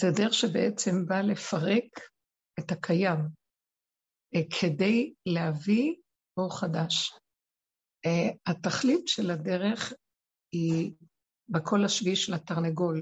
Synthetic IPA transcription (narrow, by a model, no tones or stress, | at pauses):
zed̪eʁeχʃebeʔet͡se̞mbale̞faʁe̞k | etakʰajam | kʰe̞de̞jlehavi | oʁχadaʃ | hataχlitʃelade̞ʁe̞χ | i | bekʰo̞laʃviʃlataʁneɡo̞l